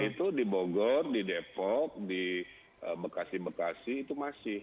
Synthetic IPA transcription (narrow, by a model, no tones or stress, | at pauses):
it̪udiboɡɔrdidepɔk̚di | əbəkasɪhbəkasɪhit̪umasɪh